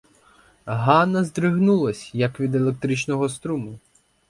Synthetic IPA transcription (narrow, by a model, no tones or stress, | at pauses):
ɦɑnɐzd̪ɾɪɦnulˠɐsʲjɐkʋʲid̪elˠek̚t̪ɾit͡ʃnɔɦɔst̪ɾumʊ